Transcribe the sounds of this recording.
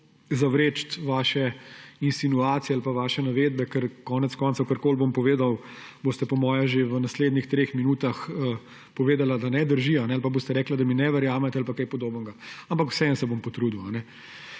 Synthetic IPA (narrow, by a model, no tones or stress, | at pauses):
zaʋɾeːt͡ʃt̪ʋaːʃɛinsinuaːt̪sijɛalpaʋaːʃɛnaʋeːd̪̚bɛkəɾkɔːnɛt̪skɔːnt̪sɐʊkəɾkoːlbompɔʋeːd̪aw | boːst̪ɛpɔmɔːjaʒeʋənasleːd̪nixt̪ɾeːxminuːt̪axə | pɔʋeːd̪alad̪anɛd̪əɾʒianɛalpaboːst̪ɛɾɛːklad̪aminɛʋɐɾjaːmɛt̪ɛalpakɛjpɔd̪oːbənɡaampakw̥sɛnsɛbompɔt̪ɾud̪iwanɛ